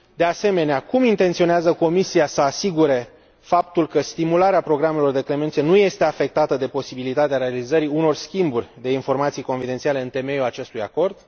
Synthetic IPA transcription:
d̪e̞ase̞me̞neakumint̪e̞nt̪sio̞neazəko̞misiasəasiɡuɾe̞ | fapt̪ulkəst̪imulaɾeapɾo̞ɡɾame̞lo̞rd̪e̞kle̞me̞nt̪sienuje̞st̪e̞afe̞k̚t̪at̪əd̪e̞po̞sibilit̪at̪eaɾe̞alizəɾiuno̞rskʲimburʲd̪e̞info̞rmat̪sijko̞nfid̪e̞nt̪sialeɨnt̪e̞me̞juat͡ʃe̞st̪uja̰ko̞rd̪

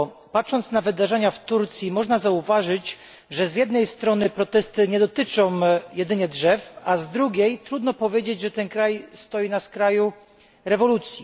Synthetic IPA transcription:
patʂɔnt̪snavɘd̪aʐɛɲaft̪uɾt̪sʲjimɔʐnazauvaʐɘt͡ɕ | ʐɛzʲjɛd̪nɛjst̪ɾɔnɘpɾɔt̪ɛst̪ɘɲɛd̪ɔt̪ɘt͡ʂɔ̃w̃jɛd̪ɘɲɛdʐɛfazd̪ɾuɡʲejt̪ɾud̪nɔpɔvʲjed͡ʑed͡ʑʐɛt̪ɛnkɾajst̪ɔjinaskɾaju | ɾɛvɔlut̪sʲji

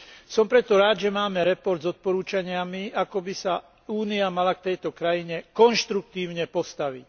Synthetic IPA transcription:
sɔmpɾɛt̪ɔɾaːd̪ʒɛmaːmɛɾɛpɔɾd̪zɔt̪̚pɔɾuːt͡ʃaɲɪamiakɔbisa | uːniamalak̚t̪ɛjt̪ɔkɾajiɲɛkɔnʃt̪ɾuk̚t̪iːʊɲɛpɔst̪aʋic

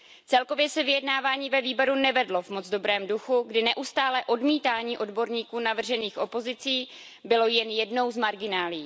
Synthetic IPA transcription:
t͡sɛlko̞vjɛsɛvɪjɛdnaːvaːɲiːvɛviːboɾunɛvɛdlo̞vmo̞d͡zdo̞bɾɛːmduxuɡdɪnɛʔust̪aːlɛʔo̞dmiːt̪aːɲiːʔo̞dbo̞ɾɲiːkuːnavr̩ʒɛniːxʔo̞po̞zɪt͡siː | bɪlo̞jɛnjɛdno̞wzmaɾɡɪnaːliː

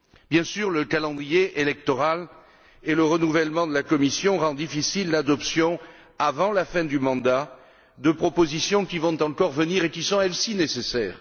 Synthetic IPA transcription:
bjɛ̃syʁləkalɑ̃d̪ʁijeʔelɛk̚t̪ɔʁal | eləʁənuvɛlmɑ̃d̪əlakɔmisjɔ̃ʁɑ̃d̪ifisilːad̪ɔpsjɔ̃ | avɑ̃lafɛ̃d̪ymɑ̃d̪a | d̪əpχɔpozisjɔ̃kivɔ̃t̪ɑ̃kɔʁvəniʁekisɔ̃ɛlsinesesɛːʁ

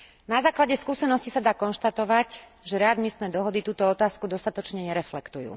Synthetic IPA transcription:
nazaːklaɟɛskuːsɛnɔscisad̪aːkɔnʃt̪at̪ɔʋacʒɛɾɛad̪mist̪nɛːd̪ɔɦɔd̪it̪uːt̪ɔɔt̪aːskud̪ɔst̪at̪ɔt͡ʃɲɛɲɛɾɛflɛkt̪ujṵː

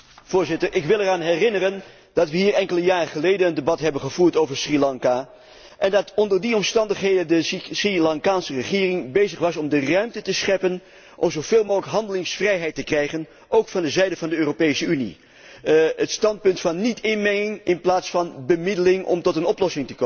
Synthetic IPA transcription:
v̥ʊːɹzɪtəɹʔɪkʋɪlˠɛraːnɦɛrɪnərən | d̥ɑtʋəɦiːɹɛŋkələjaːrəχəlejdənəndebɑtɦɛbənχəv̥uːɹtowvəɹsrilɑŋka | ʔɛndɑtɔndəɹdiɔmstɑndəχɦejdəndəsrilɑŋkaːnsərəχɪːrɪŋbejzəχʋɑsɔmdərœɥmtətəsχɛpən | ʔɔ̰mzowveːlˠmoːxləkɦɑndəlɪŋsfrɛjɦɛjtəkrɛjχən | ʔowkfɑndəzɛjdəvɑndəøːropejsəynḭ | ətstɑnt̚pɵntfɑnːitʰɪnmɛŋɪŋɪnplaːtsfɑnbəmɪdəlɪŋɔ̰mtɔtənɔplɔsɪŋtə̥ko

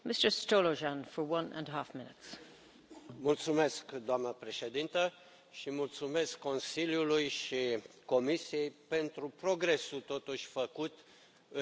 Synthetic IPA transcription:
mɪstə˞stoloʒãnfə˞wʌ̃nʔə̰̃nɦafmɪ̃nɪts | mult̪sume̞skd̪oamnəpɾe̞ʃe̞d̪int̪ə | ʃimult̪sume̞skːo̞nsiljulujʃiko̞misije̞jpe̞nt̪ɾupɾo̞ɡɾe̞sut̪o̞t̪uʃʲfəkut̪ | ɨ

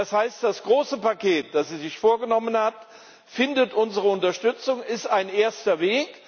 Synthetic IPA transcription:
ashaɪstd̥asɡ̥ʁoːsəpakʰeːt̚d̥asiːzɪçfoːɐɡənɔmənhat | fɪndətʔʊnzəʁəʊntɐʃtʏt͡sʊŋɪstaɪnʔeːɐstɐveːk

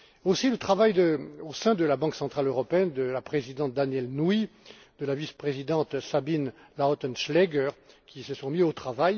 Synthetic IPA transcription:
osilət̪χavajd̪əosɛ̃d̪əlabɑ̃ksɑ̃t̪χaløʁɔpeɛnd̪əlapχezid̪ɑ̃t̪̚d̪anjɛlnui | d̪̥əlavispχezid̪ɑ̃t̪sabinlaɔt̪ɔnʃlɛɡœʁ | kʲisəsɔ̃miot̪χavaj

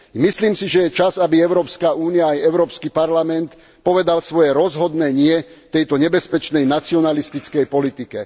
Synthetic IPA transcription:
misliːmsiʒɛjɛt͡ʃazabiɛʊɾɔːpskaʔuːnijaːjɛʊɾɔːpskipaɾlamɛnt̪ | pɔʋɛd̪alsʋɔjɛɾɔzɦɔd̪nɛːɲɪɛt̪ɛjt̪ɔɲɛbɛspɛt͡ʃnɛjnat͡siɔnalist̪it͡skɛjpɔlit̪ikɛ

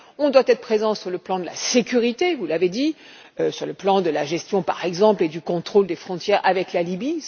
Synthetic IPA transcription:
ɔ̃d̪wat̪ɛt̪χə̥pχezɑ̃syʁləplɑ̃d̪əla̰sekʲyʁit̪evulaved̪i | øsyʁləplɑ̃d̪əlaʒɛst̪jɔ̃pa̰ʁɛɡzɑ̃pled̪ykɔ̃t̪χold̪efχɔ̃t̪jɛʁʔavɛklalibi

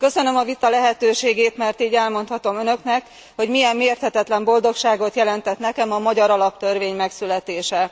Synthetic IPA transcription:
kø̞sø̞nø̞mɒvit̪ɒlɛɦɛt̪øːʃeːɡeːt̪mɛrt̪iːɟɛlmo̞nt̪hɒt̪o̞mønøknɛk | ho̞ɟmijɛmːeːrt̪hɛt̪ɛt̪lɛmbo̞ld̪o̞kʃaːɡo̞t̪jɛlɛnt̪ɛt̪nɛkɛmɒmɒɟɒɾɒlɒp̚t̪ø̞rveːɲmɛksylɛt̪eːʃɛ

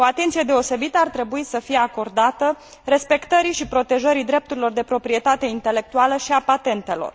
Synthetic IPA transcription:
oat̪e̞nt̪sije̞d̪e̞o̞se̞bit̪əart̪ɾe̞buisəfije̞ako̞rd̪at̪ə | re̞spe̞kt̪əɾiʃipɾo̞t̪e̞ʒəɾid̪ɾe̞p̚t̪uɾilo̞rd̪e̞pɾo̞pɾie̞t̪at̪e̞int̪e̞le̞k̚t̪ualəʃiapat̪e̞nt̪e̞lo̞̰r

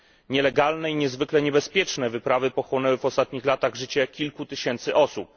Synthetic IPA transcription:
ɲɛlɛɡalnɛiɲɛzvɘklɛɲɛbɛspʲjɛt͡ʂnɛvɘpɾavɘpɔxwɔnɛwɘvɔst̪at̪ɲixlat̪aɣʐɘt͡ɕɛkʲilkut̪ɘɕɛnt̪sɘʔɔsup̚

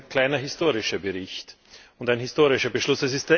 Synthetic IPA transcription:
kʰl̥aɪnɐɦɪstoːʁɪʃɐbəʁɪçt | ʊntæɪnɦɪstoːʁɪʃɐbəʃlʊsd̥ɐs̬ɪst̚d̥eːɐ

